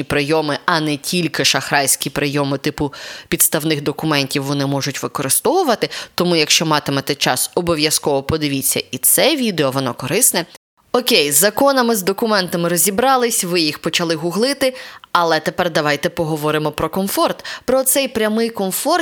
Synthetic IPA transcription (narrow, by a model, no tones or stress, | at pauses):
ipɾɪjɔmɪɐnɛtʲilʲkɪʃɐxɾɑjʲsʲkʲipɾɪjɔmɪt̪ɪpʊpʲid̪st̪ɐwnɪxd̪ɔkʊmɛnʲtʲiwʋɔnɪmɔʒʊtʲʋɪkɔɾɪst̪ɔʋʊʋɐt̪ɪt̪ɔmujɐkʃt͡ʃɔmɑt̪ɪmɛt̪ɛt͡ʃɑ̰sɔbɔʋʲjɐskɔʋɔpɔd̪ɪʋʲit͡sʲːɐ̰it̪sɛʋʲid̪eɔʋɔnɔkɔɾɪsnɛ | ɔkʲejzːɐkɔnɐmɪzd̪ɔkʊmɛnt̪ɐmɪɾɔzʲibɾɑlˠɪsʲʋɪjixpɔt͡ʃɐlˠɪɦʊɦlˠɪt̪ɪɐlˠɛt̪epɛrd̪ɐʋɑjt̪ɛpɔɦɔʋɔɾɪmɔpɾɔkɔmfɔrt̪pɾɔt̪sɛjpɾʲɐmɪjkɔnfɔr